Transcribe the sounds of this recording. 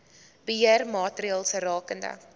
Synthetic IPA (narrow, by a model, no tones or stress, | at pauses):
b̥əɦiərmɑːtɾiɑːlˠsərɑːkəndə̰